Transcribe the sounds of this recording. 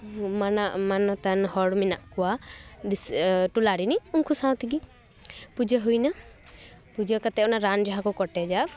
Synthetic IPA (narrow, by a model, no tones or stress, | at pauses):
manaʔmanɔt̪anhɔɽminaʔkɔwad̪isʈulaɽɾiniuŋkʰusãw̃t̪iɡi | pud͡ʒəɦujna | pud͡ʒəkat̪ɛʔɔnaɾand͡ʒaɦakɔkɔʈɛd͡ʒa